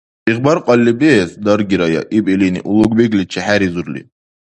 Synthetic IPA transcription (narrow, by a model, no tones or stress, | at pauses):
iχbɑɾqʼɑlːibesd̪ɑɾɡʲiɾɑjɑ̰ʔibilinḭʔulˠuɡbeɡlit͡ʃʰɛhæɾizuɾlḭ